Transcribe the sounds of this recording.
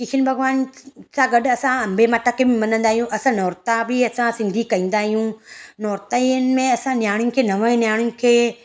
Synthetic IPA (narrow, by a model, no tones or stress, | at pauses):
kɪt͡ʃʰɪnbʱɐɣʋaːnsãɡɐɗɐsãɐ̃mbʱemaːʈʰakʰebɪmɐnə̃nd̪aːɦijũʔɐsãnɔːɾt̪abɪɐsãsɪ̃nd̪ʱikɐĩːnd̪aːɦijũnɔːɾt̪əiənɪ̆mẽɐsãnjaːɽ̃jʊ̃kʰeːnɐʋə̃njaːɽ̃ʊj̃kʰeː